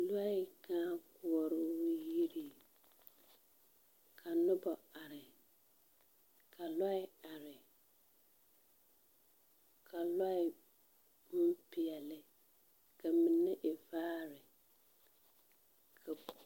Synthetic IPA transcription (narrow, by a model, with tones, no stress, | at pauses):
la˦ɪ˨kaː˦kʊ˦ɔ˨ɾʊ˦wji˦ɾi˨ | kʰa˨nʊ˦bɔ˨a˨ɾɪ˨ | kʰa˨la˦ɪ˦a˨ɾɪ˨ | kʰa˨la˦ɪ˨ | m̩˦pɪ˨ɛ˨lɪ˦ | ka˨mi˨nːɪ˦ʔɪ˨vaː˦ɾɪ˨ | kʰa˨